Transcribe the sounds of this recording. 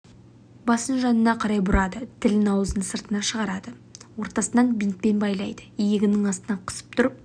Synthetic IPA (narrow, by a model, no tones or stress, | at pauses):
bɑsənʒɑnənɑqʰɑɾɑjbʊɾɑd̪ət̪ʰɪlɪnɑwəzənsəɾt̪ənɑʃəʁɑɾɑd̪ə | wo̞ɾt̪ɑsənɑnbint̪̚pe̞nbɑjlˠɑjd̪əijeɡʲɪnɪŋɑst̪ənɑqʰə̥sə̥p̚t̪ʰʊɾəp̚